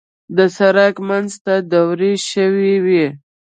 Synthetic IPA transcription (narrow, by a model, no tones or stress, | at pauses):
d̪əsaɾakmanzt̪ad̪awɾeʃəwiwi